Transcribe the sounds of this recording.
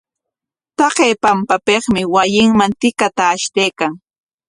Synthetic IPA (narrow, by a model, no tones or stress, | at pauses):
t̪ɑqeːpampapeχmɪwajɪŋmant̪ɪkat̪aːʃt̪ejkaŋ